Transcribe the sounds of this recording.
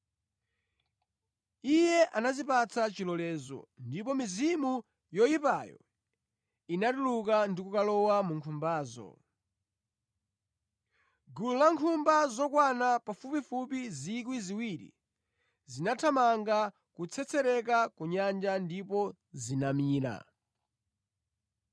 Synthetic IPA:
ijɛʔanazipat͡sʰat͡ʃilɔlɛːzɔ̰ndipɔmizimu | jɔjipajɔ̰ | inatuluk̬andikukalɔwamuŋkʰumbaːzɔ̰ | ɡululaŋkʰumbazɔkwanapafupifupizik̬wiziwiɾḭ | zinatʰamaŋɡa | kut͡sʰɛt͡sɛɾɛk̬akuɲand͡ʒandipɔ | zinamiːɾa̰

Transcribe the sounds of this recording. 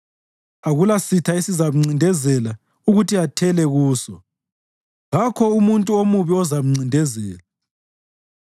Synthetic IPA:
aɣulasitʰaisizamuŋ͡ǀindʱɛzɛla | uɣutiatʰɛlɛɣuːsɔ | ɣakʰɔumuntʼuomuβiɔzam̩uŋ͡ǀʱindʱɛzɛːla

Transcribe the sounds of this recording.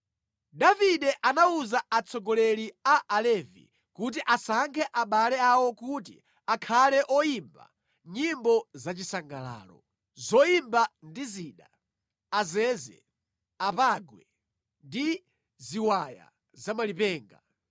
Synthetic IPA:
daviɗɛʔanauzaat͡sʰɔɡɔlɛliaʔalɛvḭ | kut̬iʔasaŋkʰɛʔaɓalɛawɔkut̬ḭ | akʰalɛʔɔjimba̰ | ɲimbɔzat͡ʃisaŋɡala̰ːlɔ̰ | zɔimbandiziːɗa̰ | azɛːzɛ̰ | apaɡwɛ | ndi | ziwaja̰ | zamalipɛːŋɡa

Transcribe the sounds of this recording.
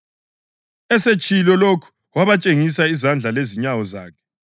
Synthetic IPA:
ɛset͡ʃʼʰilɔlokʰu̥ | waβat͡ʃʼeŋisaizand͡ɮʱaleziɲawɔzaːkʰɛ̥

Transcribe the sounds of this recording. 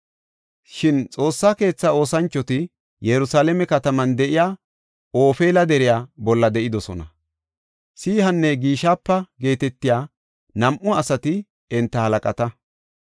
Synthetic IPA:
ʃɪnt͡sʼo̞ːsːaːke̞ːt͡sːɐo̞ːsɐnt͡ʃːɔt̪ɪ | jɛɾʊsaːlɛmɛkɐt̪ɐmɐnd̪ɛʔɪjaː | o̞ːfeːlɐd̪ɛɾɪjaːbɔlːɐd̪ɛʔɪd̪ɔsɔnɐ̰ | siːɦɐnːɛɡiːʃaːpːɐɡe̞ːt̪ɛt̪ːɪjaː | nɐmʔʊɐsɐt̪ɪ | ɛnt̪ːɐhɐlɐkʼɐt̪ɐ

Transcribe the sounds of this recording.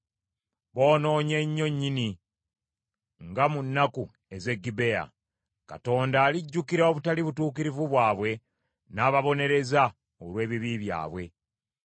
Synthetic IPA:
βo̞ːno̞ːɲe̞ɲːo̞ɲːini | ŋɡamunːaku | e̞ze̞ɡːibe̞ja̰ | ka̰to̞ːndaːliɟːukiɾaoβutaliβutuːkiɾivuβwaːβwe̞ | naːβaβo̞ne̞ɾe̞za | olwe̞ːβiβiβja̰ːβwe̞

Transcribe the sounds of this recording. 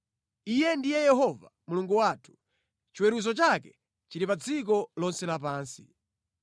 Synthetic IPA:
ijɛndijɛjɛɦɔva̰muluŋɡuwaːtʰu̥ | t͡ʃiwɛɾuzɔt͡ʃakɛ̥ | t͡ʃiɾipad͡zik̬ɔlɔnsɛlap̬aːnsi

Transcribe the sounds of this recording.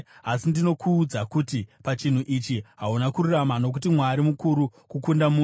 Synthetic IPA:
asindino̞kʰuːd͡zakutipat͡ʃin̤uʔit͡ʃiɦaunakururamano̞k̬ut̬imwaɾimukuɾukukundamu

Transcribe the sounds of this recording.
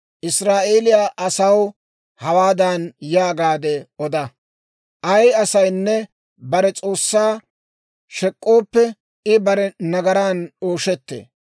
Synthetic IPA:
ʔɪsɾaːʔe̞ːlɪjaːʔɐsɐw | hɐwaːd̪ɐnjaːɡaːd̪ɛɔd̪ɐ | ʔɐjɐsɐjnːɛ | bɐɾɛt͡sʼo̞ːsːaː | ʃɛkʼːo̞ːpːɛ | ɪbɐɾɛnɐɡɐɾaːno̞ːʃɛt̪ːḛː

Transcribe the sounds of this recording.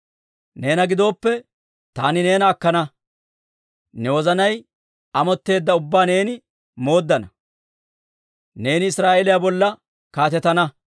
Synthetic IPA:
ne̞ːnɐɡɪd̪o̞ːpːɛ | t̪aːnɪne̞ːnɐːkːɐnɐ | nɛwɔzɐnɐj | ɐmɔt̪ːe̞ːd̪ːɐʊbːaːne̞ːnɪ | mo̞ːd̪ːɐnɐ | ne̞ːnɪːsɾaːʔelɪjabɔlːɐ | kaːt̪ɛt̪ɐnɐ

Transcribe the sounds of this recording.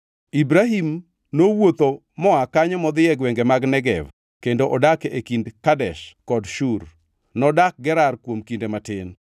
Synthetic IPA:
ibɾaɦim | nowot̪o | mɔakaɲɔmɔd̪jɛɡwɛŋɡemaɡnɛɡɛv | kendoʔɔdakekindkadɛʃkɔdʃur | nɔdak̚ɡɛɾarkwomkindematɪn

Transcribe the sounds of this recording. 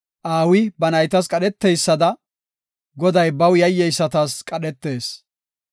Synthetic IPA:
ʔaːwɪbɐnɐjt̪ɐs̬kʼɐɗɛt̪ːɛjsːɐd̪ɐ | ɡɔd̪ɐjbɐwjɐjːɛjsːɐt̪aːskʼɐɗɛt̪ːe̞ːs

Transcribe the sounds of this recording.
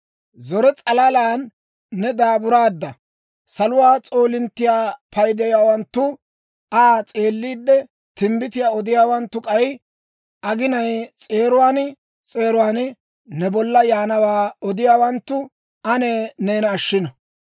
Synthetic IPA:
zɔɾɛt͡sʼɐlɐlaːnː | ɛd̪aːbʊɾaːd̪ːɐ | sɐlʊwaːt͡sʼo̞ːlɪnt̪ːɪjaːpʰɐjd̪ɛjaːwɐnt̪ːʊ | aːt͡sʼe̞ːlːiːd̪ːɛ | t̪ɪmbɪt̪ɪjaːɔd̪ɪjaːwɐnt̪ːʊkʼɐj | ʔɐɡɪnɐjt͡sʼe̞ːɾʊwaːn | t͡sʼe̞ːɾʊwaːn | nɛbɔlːɐjaːnɐwaːɔd̪ɪjaːwɐnt̪ːʊ | ʔɐneneːnɐːʃːɪnɐ

